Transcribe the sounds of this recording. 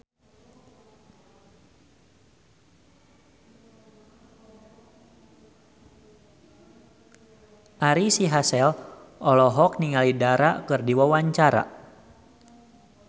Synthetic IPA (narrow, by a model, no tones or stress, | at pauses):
ʔaɾisiɦasɛlʔɔlɔɦɔk̚niŋalidaɾakɨrdiwawaɲt͡ʃaɾa̰